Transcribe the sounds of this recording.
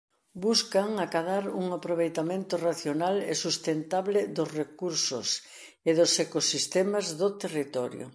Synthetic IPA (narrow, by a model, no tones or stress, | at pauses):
buskaŋakaðaɾuŋapɾoβ̞ejt̪amẽnt̪ʊraθjonalḛsust̪ent̪aβlɪðʊzrekuɾsʊ̰s | ɪðʊsekosist̪emazðot̪erit̪ɔɾjo̰